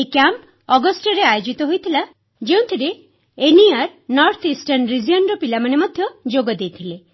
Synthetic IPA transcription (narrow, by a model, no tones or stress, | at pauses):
ekamp | ɔɡɔsʈɔɾeajod͡ʒit̪ɔɦojt̪ʰila | d͡ʒeũt̪ʰiɾe | eniaɾnɔɾt̪ʰisʈanɾiziɔnɾɔpilamanemɔd̪ʱjɔd͡ʒoɡɔd̪ejt̪ʰile